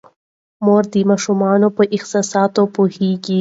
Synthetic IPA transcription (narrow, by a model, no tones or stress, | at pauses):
moɾd̪imɑʃumɑnopəʔɪxsɑsɑt̪opoheɡi